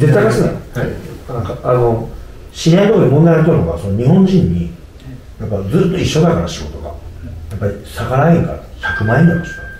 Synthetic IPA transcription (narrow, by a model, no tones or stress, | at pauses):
ze̞t̪ːajkasɨna̰ | ãkaano̞ | ɕiɾẽd̪oimõnd̪aj̪at̪ːoɾɯnoɡaso̞no̞ɲ̟ihõ̞ɲ̟d͡ʑĩɲ̟ːi | japːad͡zɨːt̪ːo̞iɕːo̞d̪akaɾaɕiɡo̞t̪o̞ɡa̰japːaɾʲisakaɾaẽŋka̰ɾa̰sakɯ̟mãĩnd̪at̪ːosa